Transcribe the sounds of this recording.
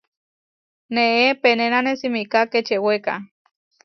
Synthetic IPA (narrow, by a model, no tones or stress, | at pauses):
neepenenanesimikaket͡ʃeweka̰